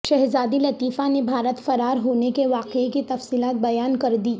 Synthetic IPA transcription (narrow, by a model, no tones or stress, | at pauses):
ʃɐɦzaːd̪ilɐt̪iːfanebʱaːɾət̪fɐɾaːɾɦoːnekeʋaːqeikit̪ɐfsiːlaːt̪̚bɐjaːnkɐɾd̪iː